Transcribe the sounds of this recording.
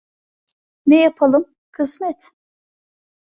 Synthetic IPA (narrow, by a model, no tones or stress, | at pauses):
nɛjapʰalˠɯm | kʰɯzmɛt̪